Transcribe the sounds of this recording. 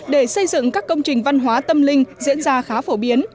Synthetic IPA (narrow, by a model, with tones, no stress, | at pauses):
ɗe˧˩sə˧jzɨ̰˧˨ŋkaː˦˥kːə˧wŋ͡mt͡ɕï˨˩ŋ̟va˧nɦwaː˨˦t̪ə˧mlï˧ŋ̟zḭ˧˥ənzaː˧xaː˨˦fo˧˩ɓi˨˦ən